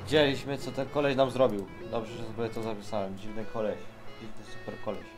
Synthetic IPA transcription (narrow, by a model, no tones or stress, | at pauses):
d͡ʑɛlʲiɕmɘt̪sɔt̪ɛnkɔlɛɕnamzɾɔbʲiwd̪ɔbʐɛʐɛɔbɔɛt̪ɔzapʲisawɛmd͡ʑivnɘkʰɔlɛɕd͡ʑivnɘsu̥pɛɾkɔlɛɕ